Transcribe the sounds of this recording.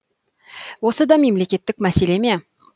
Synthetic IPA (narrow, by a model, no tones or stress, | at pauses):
wosɨd̪ɑme̞mlekʲe̞t̪ːɪk̚ʲmæseleme